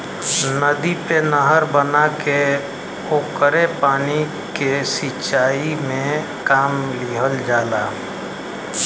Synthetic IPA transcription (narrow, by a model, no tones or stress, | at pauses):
nəd̪ipenəɦəɾbənake | oːkəɾepaːni | kesɪt͡ʃaːimẽ | kaːmliɦəld͡ʒaːlaː